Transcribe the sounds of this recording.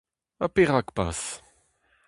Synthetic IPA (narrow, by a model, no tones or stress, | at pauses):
apeʁakpa̰s